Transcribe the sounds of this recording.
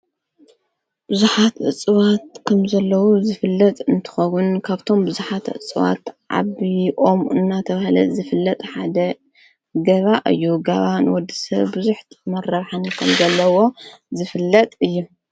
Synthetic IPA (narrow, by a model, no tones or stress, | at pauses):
b̥ɨzuħat̪ʔɨ̰t͡sʼːɨwat̪̚kʰɐmzɐlːɐwuzɨfɨlːɐt̪ʼɨnt̪ʰɨ̥xɐwʊnkʰaβt̪ʰo̞mbɨzuħat̪ʕɨ̰t͡sʼɨwa̰t̪ʕa̰βiʔomɨ̰nːat̪ʰɐβahlɐ̰zɨfɨlːɐt̪ʼħad̪ɐ | ɡɐβaʔɨ̰jːuɡɐβanwɔd̪isɐ̰βbɨzuħt̪mɐrɐβħanɨkʰɐmzɐlːɐwo̞zɨfɨlːɐt̪ʼɨjːu